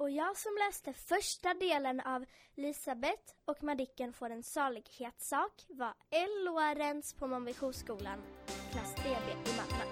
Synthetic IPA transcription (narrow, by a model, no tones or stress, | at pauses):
ɔjɑːɡsɔmlɛːst̪əfœʂʈad̪eːlənavlɪːsabɛt̪ɔkmad̪ɪkːənfoːɾɛnsɑːɭɪɡheːt̪sɑːkvaɛlːʊaɾənspʰɔmɔmbɪɧuskuːlanɔkʰlasːt̪ʰɾeːbeːɪmat̪ːa